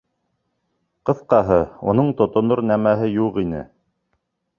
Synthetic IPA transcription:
qɤ̆θqɑɦɤṵnɤɴt̪ŏt̪ŏnoɾnæmæɦɘjuqinɘ̰

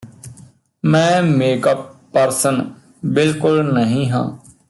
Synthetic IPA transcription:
mɛ̃ːmeːkəpː | əɾsən | bɪlkʊlnəɦĩːɦã̰ː

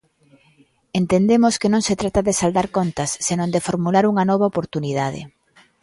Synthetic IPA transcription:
ent̪end̪emoskenõŋset̪ɾat̪aðɪsald̪aɾkont̪ɐsːenõnd̪efoɾmulaɾuŋɐnɔβ̞aopoɾt̪uniðað̞ḛ

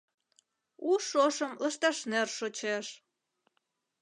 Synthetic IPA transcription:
uʃoʃə̆mlə̆ʃt̪ɑʃnerʃot͡ɕeʃ

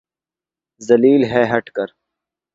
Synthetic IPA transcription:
zɐliːlɦɛːɦɐʈkɐɾ

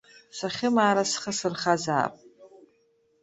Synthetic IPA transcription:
sʷaχʲɪmaːɾasχəsɨrχaza̰ːpʼ

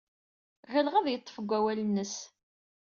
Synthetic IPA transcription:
ʁəlʁəðjət̪ˤːə̥fəɡʷːæwælnːəs

